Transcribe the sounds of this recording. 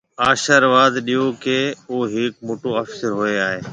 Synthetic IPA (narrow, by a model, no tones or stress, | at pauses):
aːʃəɾʋaːd̪ɗijokeːoːɦɪk̚moːʈoɐfsɪɾɦoeaːɦeː